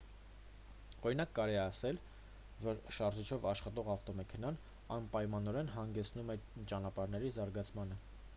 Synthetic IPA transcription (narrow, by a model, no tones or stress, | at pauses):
ɔɾinɑkːɑɾɛɛɑsɛl | vɔɾʃɑɾʒit͡ʃʰɔvɑʃχɑt̪ɔʁɑft̪ɔmɛkʰɛnɑn | ɑnpɑjmɑnɔɾɛnɦɑŋɡɛt͡sʰnumɛt͡ʃɑnɑpɑɾnɛɾizɑɾɡɑt͡sʰmɑnə